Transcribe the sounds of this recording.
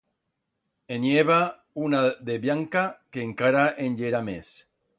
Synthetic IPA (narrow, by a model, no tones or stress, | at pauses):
enjeβa | unaðeβjaŋkakeːŋkaɾaʔenʎeɾames